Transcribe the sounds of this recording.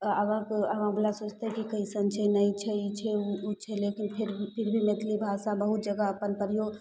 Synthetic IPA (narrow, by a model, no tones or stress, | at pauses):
əʋãkəʋãbulasoːt͡ʃt̪eɦɛkikəisənt͡ʃʰənəit͡ʃʰɛit͡ʃʰɛuut͡ʃʰɛlekinpʰiɾpʰɪɾbʱimet̪ʰlibʱasabəɦut̪̚d͡ʒəɡaəpənpəɾijo